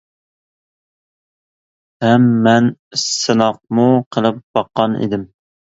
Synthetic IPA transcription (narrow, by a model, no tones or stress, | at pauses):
hɛmːɛnsɨnɑq̚muqʰəlˠɨp̚b̥ɑqːɑnḛd̪ɪm